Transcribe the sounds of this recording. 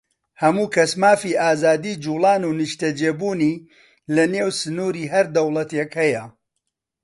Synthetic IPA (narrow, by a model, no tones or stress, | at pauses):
hɐmuːkʰɐsmaːfiːʔaːzaːd̪iːd͡ʒuːlˠɑːnuːnɨʃt̪ɐd͡ʒeːbuːniː | lɐneːwsɨnuːɾiːɦɐɾd̪ɐwlˠɐt̪ekhɐjɐ